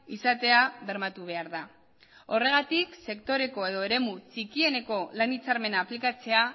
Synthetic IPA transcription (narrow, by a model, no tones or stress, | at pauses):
isat̪e̞aβe̞ɾmat̪uβ̞e̞aɾða | o̞re̞ɣ̞at̪ikse̞kt̪o̞ɾe̞ko̞e̞ð̞o̞e̞ɾe̞mut͡sikie̞ne̞ko̞lanit͡saɾme̞naːplikat͡se̞a